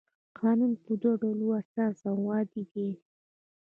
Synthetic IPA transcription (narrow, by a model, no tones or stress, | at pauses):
qɑnunpud̪oɖoluasɑsawwɑd̪id̪e